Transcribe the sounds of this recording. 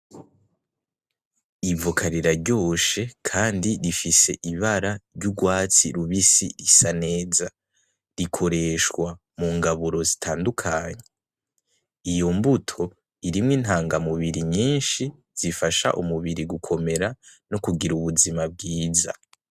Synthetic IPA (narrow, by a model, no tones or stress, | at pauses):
ivokʰaɾiɾaɾɟo̞ːʃe̞kʰaːndiɾifise̞ʔiβaɾaɾɟuɡwaːt͡sḭɾuβisḭɾisane̞ːza | ɾikʰo̞ɾe̞ʃkwa | muŋɡaβuɾo̞zitʰaːndukʰaɲe̞ | ijo̞mbutʰo̞ | iɾimŋiːn̥haːŋɡamuβiɾiɲiːnʃi | z̥ifaʃa̰ʔumuβiɾiɡukʰo̞me̞ɾanokuɡiɾuβuzimab̚ɡiːza̰